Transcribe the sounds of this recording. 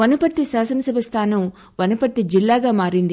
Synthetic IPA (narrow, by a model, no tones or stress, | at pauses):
ɐnɐpɐt̪ːiʃaːsɐnɐsɐbɐst̪ʰaːnɐm | ʋɐnɐpɐt̪ːid͡ʒilːaːɡaːmaːɾind̪i